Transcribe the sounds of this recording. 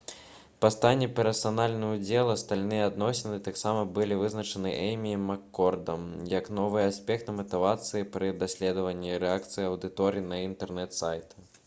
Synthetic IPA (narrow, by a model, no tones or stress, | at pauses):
pɐst̪anʲːɛpʲɛɾɐsanalʲnɨud͡zʲɛlˠɐst̪alʲnɨjɐːd̪nɔsʲinɨt̪aksamɐbɨlʲivɨznɐt͡ʂɐnɨʔɛjmʲimakːɔrd̪ɐmjɐknɔvɨjɐasʲpʲɛkt̪ɐmɐt̪ɨvat̪sɨjipɾɨd̪asʲlʲɛd̪ɐvɐnʲːiɾɛakt̪sɨjiɐwd̪ɨt̪ɔɾinɐint̪ɛrnɛt̪sajt̪ɐ̥